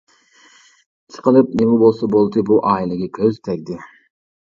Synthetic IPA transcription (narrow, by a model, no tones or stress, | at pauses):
t͡ʃʰqɑlɯp̚nemibo̞lˠsobolˠd̪ɯbuʔɑjliɡʲekʲʰøzt̪ʰeɾd̪ɪ